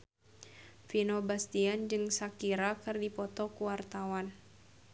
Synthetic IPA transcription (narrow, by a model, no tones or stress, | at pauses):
finobast̪iand͡ʒɨŋsakiɾakɨrdipɔt̪ɔkuwart̪awan